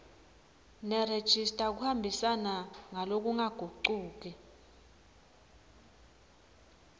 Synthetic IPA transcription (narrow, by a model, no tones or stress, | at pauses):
nɛred̥ʒ̥ʱistʼak̬uhambʱisanaŋalok̬ʼuŋaɡ̥ʱuǃuːk̬ʼɛ